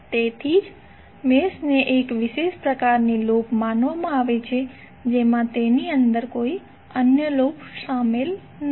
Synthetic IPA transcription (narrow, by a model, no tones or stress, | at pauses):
t̪et̪ʰid͡ʒ | mesneʔekʋɪʃeʃpɾəkaɾnilopmanʋamãaʋet͡ʃʰe | d͡ʒemãt̪eniənd̪əɾkoi | ənjəlopʃamel | n